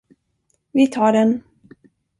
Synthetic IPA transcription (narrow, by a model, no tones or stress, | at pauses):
vɪt̪ʰɑːɖɛn